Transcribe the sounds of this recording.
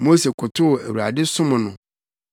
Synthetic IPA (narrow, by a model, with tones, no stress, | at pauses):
mo˦se˨kʰʊ˨tʰʊ˦˨æ̰˨wu˨a̰˨dɪ˦sʊ̃˦mʊ̃˨nʊ̃˨